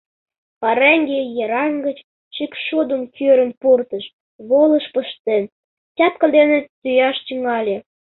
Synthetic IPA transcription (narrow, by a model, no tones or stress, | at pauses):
pɑɾæŋɡejeɾɑŋɡət͡ɕ | ʃikʃud̪əmkʰøɾə̆npurt̪əʃ | βolə̆ʃpəʃt̪en | t͡ɕʲɑt̪kəd̪enet̪ːyjɑʃt̪yŋɑlʲĕ